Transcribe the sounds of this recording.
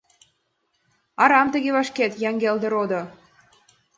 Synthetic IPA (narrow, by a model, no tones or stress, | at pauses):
ɑɾɑmt̪ə̆ɣeβɑʃket̪jɑŋɡeld̪ə̆ɾod̪ŏ